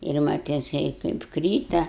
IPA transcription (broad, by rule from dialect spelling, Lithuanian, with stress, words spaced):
ɪr ˈmɐt jɪˈsɐɪ kɐɪp ˈkrʲiːtɐ